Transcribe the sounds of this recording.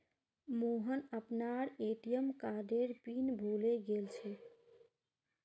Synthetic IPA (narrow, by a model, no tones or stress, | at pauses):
moɦənəpnaɾeʈijəmkaɖeɾpinbʱuleɡelt͡ʃʰɛ